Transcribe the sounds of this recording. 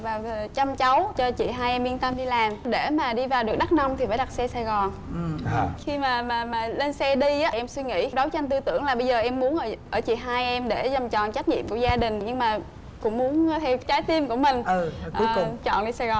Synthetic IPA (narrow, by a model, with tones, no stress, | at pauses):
vaː˨˩w̪ʰt͡ɕa˧mt͡ɕə˨˦wt͡ɕɔ˧t͡ɕḭ˧˨ɦaː˧jʔɛ˧mɓi˧ənt̪ə˧mɗi˧laː˨˩mɗe˧˩maː˨˩ɗi˧vaː˨˩wɗɨ˨˩ək̚ɗa˦˥t̚na˧wŋ͡mt̪ʰi˨˩faː˧˩jɗa˨˩t̚sɛ˧saː˨˩jɣɔ˨˩n˨˩˧ | xi˧maː˨˩maː˨˩maː˨˩le˧nsɛ˧ɗi˧ʔaː˨˦˩ʔɛ˧mswi˧ŋḭ˧˥ɗə˨˦wt͡ɕa˧nŋt̪ɨ˧t̪ɨ̰˧˩əŋlaː˨˩ɓə˧jzəː˨˩ʔɛ˧mːu˨˦ənʔəː˧˩ʔəː˧˩t͡ɕḭ˧˨˩ɦaː˧jʔɛ˧mɗe˧˩zə˨˩mt͡ɕɔ̰˨nt͡ɕa˦˥k̚ɲḭ˧˨mku˧˩əzaː˧ɗï˨˩ŋ̟ɲɨ˧ŋmaː˨˩ | kʊ̰˧˥ŋ͡mmu˨˦ən˧t̪ʰɛ˧t͡ɕaː˨˦jt̪i˧mku˧˩əmï˨˩ŋ̟˧˩ʔːt͡ɕɔ̰˧˨nɗi˧saː˨˩ɣɔ˨